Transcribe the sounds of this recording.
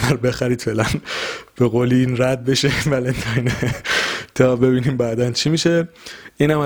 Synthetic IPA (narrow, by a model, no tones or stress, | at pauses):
æɾbe̞xæɾiːd̪felænb̥e̞ɣoːliinɾæd̪̚be̞ʃevælent̪ʰɒjne | t̪ʰɒːbe̞biːniːmbæːd̪ænt͡ʃʰimiːʃe̞ | ʔiːnhæmæ